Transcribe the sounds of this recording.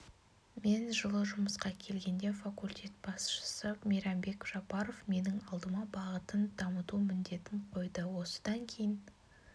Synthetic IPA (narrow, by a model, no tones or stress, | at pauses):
me̞nʒəlˠəʒʊməsqɑkʲʰe̞lɡʲe̞nd̪e̞fakulʲt̪ʲe̞t̪̚b̥ɑsʃə̥səmʲeɾɑmbe̞kʒ̥ɑpɑɾo̞fme̞nɪŋɑlˠd̪əmɑbɑʁət̪ənd̪ɑmət̪umɪnd̪e̞t̪ɪɴqʰo̞jd̪əwo̞sə̥d̪ɑŋkʲʰe̞jɪn